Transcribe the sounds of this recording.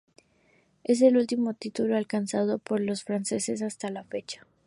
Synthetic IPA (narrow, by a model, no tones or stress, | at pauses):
e̞s̬e̞lult̪imo̞t̪it̪ulo̞alkansað̞o̞po̞ɾlo̞sfɾanse̞se̞s̬ast̪alafe̞t͡ʃḁ